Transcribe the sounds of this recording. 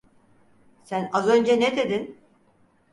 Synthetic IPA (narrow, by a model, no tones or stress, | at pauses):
sænazø̞nd͡ʒɛned̪ed̪in